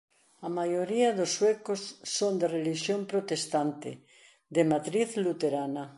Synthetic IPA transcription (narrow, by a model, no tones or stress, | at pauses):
amajoɾiaðosːwekosːond̪ereliʃjompɾot̪est̪ant̪ɪ̰ | d̪emat̪ɾiθlut̪eɾana